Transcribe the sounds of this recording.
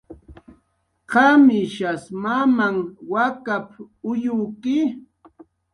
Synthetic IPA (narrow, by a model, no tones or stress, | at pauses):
qɑmɪʃasmamaŋwakap | ʊjʊːkɪ